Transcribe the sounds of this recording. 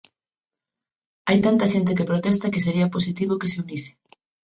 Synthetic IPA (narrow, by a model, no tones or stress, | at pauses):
ajt̪ant̪ɐʃent̪̬ɪkepɾot̪ɛst̪ɐkes̬eɾiɐpos̬it̪iβ̞okeseunisɪ̥